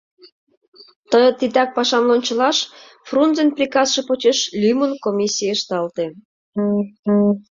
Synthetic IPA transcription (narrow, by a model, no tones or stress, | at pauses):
t̪əjt̪it̪ɑk̚pɑʃɑmlonʲt͡ɕə̆lɑʃ | frunzenprʲikɑsʃɤ̆pot͡ɕeʃlʲymunkomʲisʲːijeʃt̪ɑlt̪e